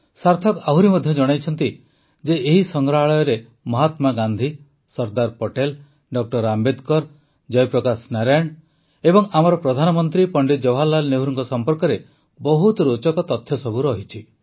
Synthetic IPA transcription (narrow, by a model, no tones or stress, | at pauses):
saɾt̪ʰɔkaɦuɾimɔd̪ʱjɔd͡ʒɔɽ̃ajt͡ʃʰɔnt̪i | d͡ʒeːɦisɔŋɡɾaɦaɭɔjɔɾe | mɔɦat̪maɡand̪ʱi | sɔɾd̪aɾpɔʈel | ɖɔk̚ʈɔɾambed̪kɔɾ | d͡ʒɔjpɾɔkasnaɾaɳ | ebɔŋamɔɾɔpɾɔd̪ʱanɔmɔnt̪ɾipɔɳɖid͡ʒɔwɦalːalneɦuɾuŋkɔsɔmpɔɾkɔɾe | bɔɦut̪ɾot͡ʃɔkɔt̪ɔt̪ʰːjɔsɔbuɾɔːɦit͡ʃʰi